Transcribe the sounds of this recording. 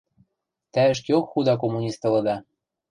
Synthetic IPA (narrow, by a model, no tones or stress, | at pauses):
t̪æɘ̆ʃ̬kjokxud̪ɑk̬omunʲist̪ɤ̆lɤ̆d̪ɑ